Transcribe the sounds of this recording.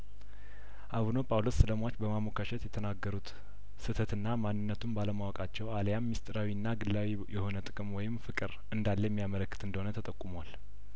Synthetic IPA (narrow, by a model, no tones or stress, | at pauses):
ʔaβno̞pʼawlosːɨləmat͡ʃːbəmamokʰaʃɛt̪jɛt̪ʰənaɡːəɾut̪ | sɨt̪ʰət̪ɨnːamanːɨnːət̪ʰumbaləmawɔkʼat͡ʃːɛwaljamːist̪ʼɨɾawinːaɡɨlːawi | jɛho̞nət̪ʼɨkʼɨmwɔjɪmfɨkʼɨɾ | ɨnd̪alːəjɛmːijamələkːɨt̪ɨnd̪əhonət̪ʰət̪ʼəkʼːumowal